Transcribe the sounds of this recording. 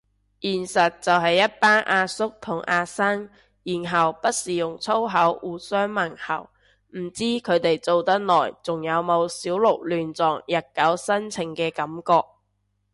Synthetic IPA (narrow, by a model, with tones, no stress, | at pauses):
jiː˨˩nsɐ˨t̚t͡sɐ˨wɦɐ˨jːɐ˥t̚paː˥nʔaː˧sʊ˥k̚t̪ʰʊ˨˩ŋʔaː˧sɐ˥ŋ | jiː˨˩nɦɐ˨wpɐ˥t̚siː˨˩jʊ˨˩ŋt͡sʰo˥wɦɐ˨˥wuː˨˩sœː˥ŋmɐ˨˩ŋhɐ̰˨˩w | m̩˨˩t͡siː˥kʰɵ˨˧t̪e˨jt͡so˨˧wt̪ɐ˥t̚lɔː˨˩jt͡sʊ˨˩ŋjɐ˨˧wmo˨˧wsiː˨˥wlʊ˨˩k̚lyː˨nt͡sɔː˨ŋjɐ˨˩t̚kɐ˨˥wsɐ˥nt͡sʰɪ˨˩ŋkɛː˧kɐ˨˥mkɔː˧k̚